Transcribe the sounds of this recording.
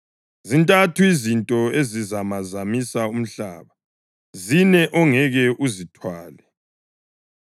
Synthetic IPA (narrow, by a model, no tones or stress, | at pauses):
zintʼatʰuizintʼɔezizamazamisaum̩ɬa̰ːβa | zinɛʔɔŋɛɣɛʔuzitʰwaːlɛ